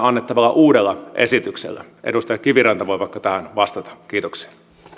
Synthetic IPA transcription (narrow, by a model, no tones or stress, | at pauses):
ɑnːet̪ːɑʋɑlːɑʔuːdelːɑʔḛsit̪yksḛlːæ̰ʔḛdust̪ɑjɑkiʋirɑnt̪ɑʋojʋɑikːɑt̪æhænʋɑst̪ɑt̪ɑ̥kiːt̪oksi̥ɑ